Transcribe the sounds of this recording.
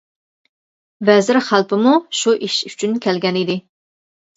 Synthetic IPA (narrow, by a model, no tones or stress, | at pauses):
vɛzɪɾχælˠpɪmuʃuʔiʃy̥t͡ʃʰynkʲʰɛlɡʲɛnid̪ɪ